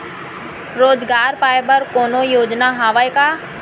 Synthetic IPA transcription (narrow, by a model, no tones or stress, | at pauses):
ɾoːzɡaːɾpaːjbəɾkoːnojoːd͡ʒnaːɦaːʋajkaː